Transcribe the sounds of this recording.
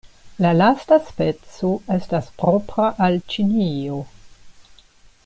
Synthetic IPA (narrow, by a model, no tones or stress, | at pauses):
lalastaspe̞t͡soe̞staspɾo̞pɾaʔalt͡ʃinio